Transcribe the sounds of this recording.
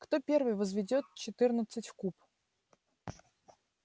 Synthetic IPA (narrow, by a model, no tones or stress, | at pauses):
kt̪o̞pʲe̞rvɨjvəzvʲɪdʲo̞t̪̚t͡ɕɪt̪ɨrnət̪sɨtʲfkup